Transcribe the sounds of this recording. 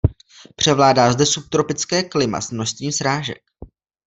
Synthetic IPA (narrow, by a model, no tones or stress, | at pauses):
pr̝̥ɛvlaːdaːzdɛsup̚t̪ɾo̞pɪt͡skɛːklɪma̰smno̞st̪ɲiːmsɾaːʒɛ̰k̚